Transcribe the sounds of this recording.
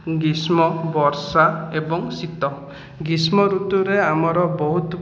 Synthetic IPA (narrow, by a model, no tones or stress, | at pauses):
ɡismɔbɔɾsaebɔŋsit̪ɔ | ɡismɔɾut̪uɾeamɔɾɔbɔɦut̪ɔ